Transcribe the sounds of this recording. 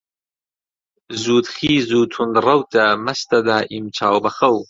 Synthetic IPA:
zuːt̪xiːzuːt̪ʰund̪ɾɐwt̪amɐst̪ad̪aːʔimt͡ʃʰɑːwbɐxɐw

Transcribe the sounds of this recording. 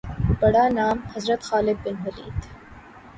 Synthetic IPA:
b̥ɐɽanaːmhɐzɾət̪xaːlɪɡ̪̚bɪnʋɐliːd̪

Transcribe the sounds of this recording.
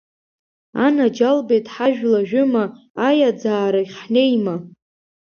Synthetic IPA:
anad͡ʒalbejtʰʼħaʒᶣlaʒᶣʊmaː | jad͡zaːɾaiχne̞jma

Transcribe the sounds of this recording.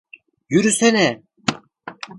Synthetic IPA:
jyɾysɛnɛ

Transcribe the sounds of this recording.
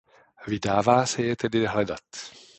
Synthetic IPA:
vɪdaːvaːsɛjɛt̪ɛdɪɦlɛdat̪

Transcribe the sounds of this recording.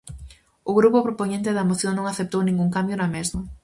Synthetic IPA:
ʊɣɾupʊpɾopoɲẽnt̪eðɐmoθjoŋnõŋaθep̚t̪ownĩŋɡuŋkambjʊnamezmo

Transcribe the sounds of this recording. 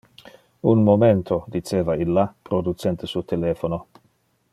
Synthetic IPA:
unmoment̪ʰod̪it͡ʃeːvailːapɾod̪ut͡sent̪esut̪ʰeleːfono

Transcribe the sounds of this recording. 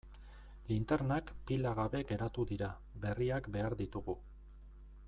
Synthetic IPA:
lint̪eɾnakpilaɣ̞aβe̞ɣe̞ɾat̪uðiɾa | βe̞riakbe̞aɾðit̪uɣu

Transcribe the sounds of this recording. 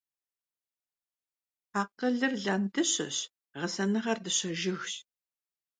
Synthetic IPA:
aːqɐɮɨrɮɐndɨɕɐ̰ɕ | ʁəsɐnɨʁɐrdɨɕɐʒɪxɕ

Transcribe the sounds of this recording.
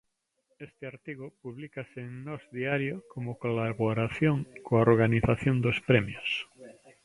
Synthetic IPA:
est̪eaɾt̪iɣ̞opuβlikaseŋnɔzðiaɾjokomokolaβoɾaθjõŋkoaoɾɣaniθaθjond̪ospɾemjos

